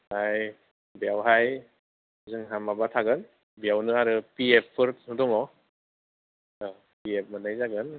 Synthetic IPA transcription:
haj | bijawɦaj | zɯŋɦamːabatʰaɡɯn | bjawnɯaɾɯpiepʰːɯɾnɯdɔŋɔ | piep̚ʰmanajzaɡɯn

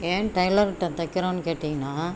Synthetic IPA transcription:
eːnʈɐɪlɐɾʈːɐ̃t̪ɐkːɪɾõːnɯkeːʈːɪŋɡɐnaː

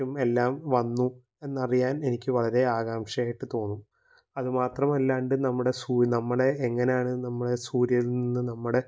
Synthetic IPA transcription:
ume̞lːaːmʋɐnːu | e̞nːɐrijaːne̞nikʲːɨʋɐɭɐɾe̞aːɣaːmʂɐjaːjiʈːɨt̪o̞ːnːu | ɐðɨmaːt̪rɐmɐlːaːɳɖɨnɐmːuɽe̞suːnɐmːɐɽe̞ːŋːɐnejaːɳɨnɐmːɐɽe̞suːɾjɐlnninːɨnɐmːuɽe̞

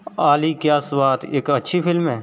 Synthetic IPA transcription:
aːliːkjaːswaːt̪eːkətːʃʰipʰɪlmɦɛː

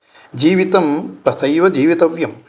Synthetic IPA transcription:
d͡ʒiːʋit̪ɐmpɾɐt̪ʰɐjʋɐd͡ʒiːʋit̪ɐʋjɐm

